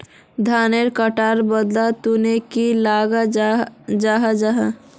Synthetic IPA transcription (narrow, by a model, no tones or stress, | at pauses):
d̪ʱaːneɾkəʈaːɾbəd̪lat̪unekilaːɡa | d͡ʒaːɦad͡ʒaɦa